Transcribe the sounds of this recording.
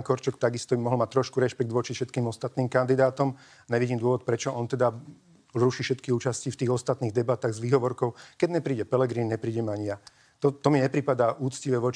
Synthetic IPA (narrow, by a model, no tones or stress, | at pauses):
kɔɾt͡ʃɔkt̪aɡist̪ɔimɔɦl̩mat̪ɾɔʃkuɾɛʃpɛɡ̚d̪ʋɔt͡ʃifʃɛt̪kiːmɔst̪at̪niːmkand̪id̪aːt̪ɔm | ɲɛʋiɟiːmd̪ʊɔʋɔt̪̚pɾɛt͡ʃɔʔɔnt̪ɛd̪a | ɾuʃiʃɛt̪kiuːt͡ʃascift̪iːɣɔst̪at̪niːɣd̪ɛbat̪aːɣzʋiːɦɔʋɔɾkɔʊkɛɟɲɛpɾiːɟɛpɛlɛɡɾiːnɲɛpɾiːɟɛmaɲɪja | t̪ɔt̪ɔmiɲɛpɾipad̪aːʔuːt͡sciʋɛʋɔt͡ʃ